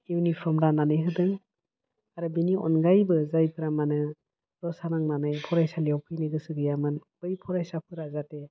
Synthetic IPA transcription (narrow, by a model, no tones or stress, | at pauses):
iwnipʰɾɔmɾananɯjɦɯdɯŋ | aɾɯbiniɔ̰nɡajbɯzajpʰɯɾamanɯ | ɾɔsanaŋnanɯjpʰɔɾajsalijawpʰɯjnɯɡɯsɯɡɯjamɯnb̥ɯjpʰɔɾajsapʰɯɾazate